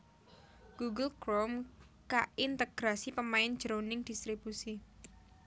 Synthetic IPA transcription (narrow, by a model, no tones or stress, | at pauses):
ɡ̥uɡəlkɾomkaint̪əɡ̥ɾasipəmaɪnd̥ʒ̥əɾonɪŋd̥ist̪ɾib̥usi